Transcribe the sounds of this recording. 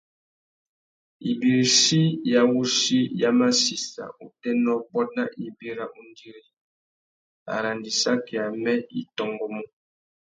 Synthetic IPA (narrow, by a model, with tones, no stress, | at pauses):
i˨bi˨ɾi˨si˦ja˦wu˦si˦ja˦ma˦si˨sa̰˨u˨tɛ˦nɔ˦bɔ˦t̚na˦ʔi˨bi˦ɾa˦ʔu˦n˦di˦ɾi˦ | a̰˨ɾa˨ndi˨sa˦kɛ˨a˨mɛ˦ḭ˦tɔ˨ŋɡɔ˨mɔ˦